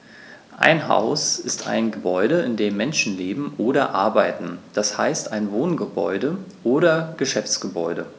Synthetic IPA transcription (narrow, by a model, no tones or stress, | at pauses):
ʔa̰ɪnɦa̰ʊsɪstʰa̰ɪnɡəbɔʏɾəɪndeːmːɛnʃn̩leːbm̩ʔoːɾɐʔaɐbaɪtn̩d̥ashaɪstaɪnvoːnɡəbɔ̰ʏdəʔoːɾɐɡ̥əʃɛft͡sɡ̥əbɔ̰ʏɾə